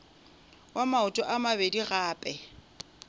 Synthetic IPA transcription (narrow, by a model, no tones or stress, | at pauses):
wamaʊtʼɔʔamabediɣaːpʼɛ